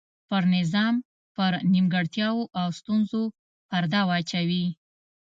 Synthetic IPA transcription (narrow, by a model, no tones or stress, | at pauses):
pəɾnɪzɑm | pəɾnimɡəɽt̪jɑwoʔawst̪unzo | paɾd̪ɑwɑt͡ʃawi